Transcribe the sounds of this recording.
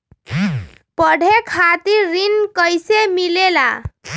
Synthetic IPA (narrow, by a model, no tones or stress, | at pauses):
pʌɽʱekʰat̪iɾːinkəjsemilela̰